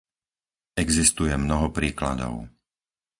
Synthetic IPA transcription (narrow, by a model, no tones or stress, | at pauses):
ɛɡzist̪ujɛmnɔɦɔpɾiːkla̰d̪ɔ̰ʊ